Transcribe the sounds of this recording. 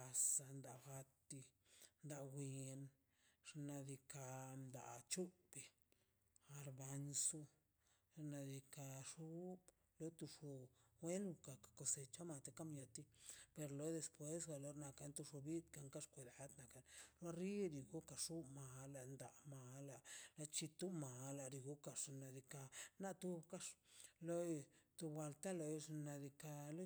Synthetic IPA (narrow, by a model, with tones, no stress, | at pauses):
a˧sa˧nd̪a˨xa˧t̪ːi˧nd̪a˧ɡʷi˨n | ʐ̥na˧d̪i˧ka˧nd̪a̰˨t͡ʃu˦be˧ | a˨ɾba˧nsu˦ | ʐna˧d̪i˧ka˧ʂu˦b | lo˦t̪u˧ʂo˧we˦nu˧ka˨kḁ˨ko˧se˧t͡ʃa˦ma˧t̪e˧ka˦mja˧t̪i˦pe˧ɾlo˦jd̪e˧spwe˦sɡa˧lo˧ɾna˧ka˧nt̪u˧ʂo˧bi˦t̪ka˧ŋka˦ʂkʷe˨d̪a˨˦d̪na˨ka˧˨lɾwa˦ɾi˦ɾi˧ɡu˦ka˨ʂu˦ma˨la˧nd̪a˨ma˨la˧la˧t͡ʃi˧t̪u˦ma˨la˧ɾi˧ɡu˦ka˧ʂna˨d̪i˧ka˧na˦t̪u˧bka˦ʂlo˦jt̪u˧bwa˧lt̪a˦lo˧jʂna˧d̪i˧ka˧lo˦